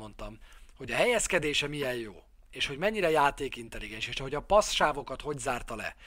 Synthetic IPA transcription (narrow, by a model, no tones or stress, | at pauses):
o̞nt̪ɒmho̞ɟɒɦɛjɛskɛd̪eːʃɛmijɛjjo̰ː | eːʃho̞ɟmɛɲːiɾɛjaːt̪eːkint̪ɛliɡɛnʃieʃɛɦo̞ɟɒpɒsʃaːvo̞kɒt̪ho̞ɟzaːrt̪ɒlɛ̰